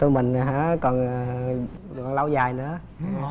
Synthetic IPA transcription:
t̪u˧mï˨˩ŋ̟ɦaː˧˥kɔ˨˩n | kɔ˨˩nla˧wzaː˨˩jnɨ̰˧˥ə

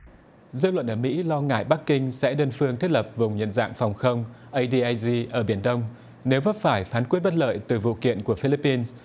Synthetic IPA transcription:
zɨ̰˧˥lwə̰˧˨nʔəː˧˩mḭ˧˥lɔ˧ŋa̰ː˧˨jɓa˦˥k̚kï˧ŋsɛ̰˧˥ɗəː˧nfɨ˧əŋt̪ʰt̚lə˨˩p̚vʊ˨˩wŋ͡mɲə̰˧˨nza̰ː˧˨ŋfɔ˨˩wŋ͡mxə˧wŋ͡mʔə˧jɗi˧ʔaː˧jzi˧ʔəː˧˩ɓi˧˩ənɗə˧wŋ͡m | ne˨˦wvə˦˥t̚faː˧˩jfaː˨˦nkwi˦˥ət̚ɓt̚lə̰ː˧˨jt̪ɨ˨˩vṵ˧˨kḭ˧˨ənku˧˩əfi˧li˦˥pːi˧ns

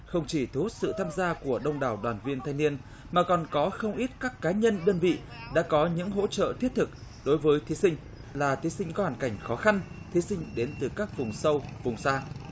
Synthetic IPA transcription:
xə˧wŋ͡mt͡ɕi˧˩t̪ʰu˨˦˥t̚sɨ̰˧˨t̪ʰaː˧mzaː˧ku˧˩əɗə˧wŋ͡mɗaː˧˨˩wɗwaː˨˩nvi˧ənt̪ʰa˧ŋni˧ən | maː˨˩kɔ˨˩nkɔ˨˦xə˧wŋ͡mʔi˦˥t̚kaː˦˥kːaː˨˦ɲə˧nɗəː˧nvḭ˧˨ | ɗa̰ː˧˥kɔ˨˦ɲɨ̰˧˥ŋɦo̰˧˥t͡ɕə̰ː˧˨t̪ʰi˦˥ət̚t̪ʰɨ˨˩k̚ɗo˨˦jvəː˨˦jt̪ʰi˨˦sï˧ŋ̟ | laː˨˩t̪ʰi˨˦sï˧ŋ̟kɔ˨˦haː˨˩nka˧˩jŋ̟xɔ˨˦xa˧n | t̪ʰi˨˦sï˧ŋ̟ɗe˨˦nt̪ɨ˨˩kaː˦˥k̚vʊ˨˩ŋ͡msə˧wvʊ˨˩ŋ͡msaː˧

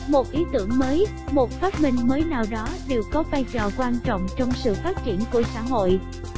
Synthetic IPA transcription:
mo˨˩t̚ʔi˨˦t̪ɨ˧˩əŋməː˨˦j | mo˨˩t̚faː˦˥t̚mï˧ŋ̟məː˨˦jnaː˨˩wɗɔ˨˦ɗe˨˩wkɔ˨˦ɓaː˧jt͡ɕɔ˨˩kwaː˧nt͡ɕɔ̰˧˨wŋ͡mt͡ɕɔ˧wŋ͡msɨ̰˧˨faː˦˥t̚t͡ɕi˧˩ənku˧˩əsa̰ː˧˥ɦo̰˧˨j

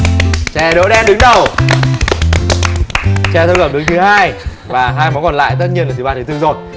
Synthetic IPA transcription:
t͡ɕɛ˧˩ɗo̰˧˦˥ɗɛ˧nɗɨ˨˦ŋɗə˨˩w | t͡ɕɛ˧˩t̪ʰə˧wkə˧˩mɗɨ˨˦ŋt͡ɕ̪ʰɨ˨˦ɦaː˧j | vaː˨˩ɦaː˧jmɔ˨˦kɔ˨˩nla̰ː˧˨jt̪ə˦˥t̚ɲi˧ənla˨˩i˨˩ɓaː˧˩t̪ɨ˨˦t̪ɨ˧zo˨˩j

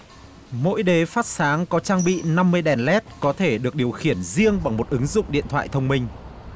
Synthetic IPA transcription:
mo̰˧˥jɗe˨˦faː˦˥t̚saː˨˦ŋkɔ˨˦t͡ɕaː˧ŋɓḭ˧˨na˧mːɨ˧əjɗɛ˨˩nlɛ˦˥t̚kɔ˨˦t̪ʰe˧˩ɗɨ˨˩ək̚ɗi˨˩əwxi˧˩ənzi˧əŋɓa˨˩ŋmo˨˩t̚ʔɨ˨˦ŋzʊ̰˧˨ŋ͡mɗḭ˧˨ənt̪ʰwa̰ː˧˨jt̪ʰə˧wŋ͡mmï˧ŋ̟

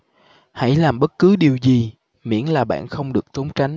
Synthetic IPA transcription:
ha̰˧˥jlaː˨˩mɓə˦˥t̚kɨ˨˦ɗi˨˩əwzi˨˩ | mḭ˧˥ənlaː˨˩ɓa̰ː˧˨nxə˧wŋ͡mɗɨ˨˩ək̚t̪o˨˦ŋ͡mt͡ɕa˨˦jŋ̟

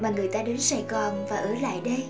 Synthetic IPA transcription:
maː˨˩ŋɨ˨˩əjt̪aː˧ɗe˨˦nsa˧˩jɣɔ˨˩nvaː˨˩ʔɨ˧˩˦la̰ː˧˨jɗə˧

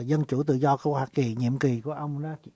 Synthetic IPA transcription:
zə˧nt͡ɕu˧˩˦t̪ɨ̰˧˨zɔ˧ku˧˦əhwaː˧ki˨˩ɲḭ˧˨əmki˨˩ku˧˩əʔə˧wŋ͡mna˨˦˧

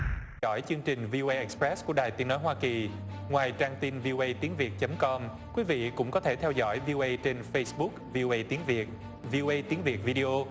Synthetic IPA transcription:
ɔ̰˧˩jt͡ɕɨ˧əŋt͡ɕï˨˩ŋ̟vi˧ʔo˧ʔə˧ʔɛ˨˩k̚spɹɛ˦˥sku˧˩əɗaː˨˩jt̪i˨˦ənɔ˨˦jɦwaː˧ki˨˩ | ŋwaː˨˩jt͡ɕaː˧ŋt̪i˧nvi˧o˧ʔə˧jt̪i˨˦ənvi˨˩ət̚t͡ɕə˨˦mkɔ˧m | kwi˨˦vḭ˧˨kʊ̰˧˥ŋ͡mkɔ˨˦t̪ʰe˧˩t̪ʰɛ˧wzɔ̰˧˩jvi˧o˧ʔə˧jt͡ɕe˧nfə˧jsɓʊ˦˥k̚vi˧ʔo˧ʔə˧jt̪i˨˦ənvi˨˩ət̚ | vi˧ʔo˧ʔə˧jt̪i˨˦ŋvi˨˩t̚vi˧ɗi˧ʔo˧

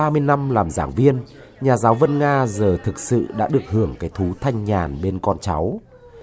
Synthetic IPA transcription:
aː˧mɨ˧əjna˧mlaː˨˩mzaː˧˩ŋvi˧ən | ɲaː˨˩zaː˨˦wvə˧nŋaː˧zəː˨˩t̪ʰɨ˨˩k̚sɨ̰˧˨ɗa̰ː˧˥ɗɨ˨˩ək̚hɨ˧˩əŋkaː˨˦jt̪ʰu˨˦t̪ʰa˧jŋ̟ɲaː˨˩nɓe˧nkɔ˧nt͡ɕa˨˦w

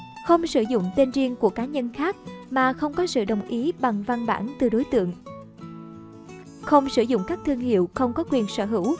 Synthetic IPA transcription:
xə˧wŋ͡msɨ˧˩zʊ̰˧˨ŋ͡mt̪e˧nzi˧əŋku˧˩əkaː˨˦ɲə˧nxaː˦˥k̚maː˨˩xə˧wŋ͡mkɔ˨˦sɨ̰˧˨ɗə˨˩wŋ͡mʔi˨˦ɓa˨˩ŋva˧nɓa̰ː˧˩nt̪ɨ˨˩ɗo˨˦jt̪ɨ̰˧˨əŋ | xə˧wŋ͡msɨ˧˩zʊ̰˧˨ŋ͡mkaː˦˥k̚t̪ʰɨ˧əŋhḭ˧˨wxə˧wŋ͡mkɔ˨˦kwi˨˩ənsə̰ː˧˩ɦɨ̰˧˩˥w

